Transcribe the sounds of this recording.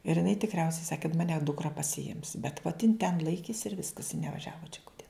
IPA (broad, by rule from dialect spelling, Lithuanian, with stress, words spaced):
ɪr jɪˈnɐɪ tʲɪkˈrʲɛʊsʲɛɪ ˈsɑːkʲɪ kɐt mɐˈnʲɛ dʊkˈrɐ pɐsʲɪˈɪms bʲɛt ʋoːt jɪn tʲɛn ˈlˠɐɪkʲeːs ɪr ˈʋʲɪskɐs ɪ nʲɛˈʋɑːʒʲɛʋoː t͡ʃʲɛ ˈkʊtʲɛ